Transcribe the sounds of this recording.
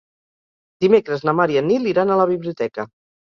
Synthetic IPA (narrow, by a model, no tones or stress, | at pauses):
d̪imekɾəznəmaɾiənilˠiɾanələβ̞iβliut̪ɛkə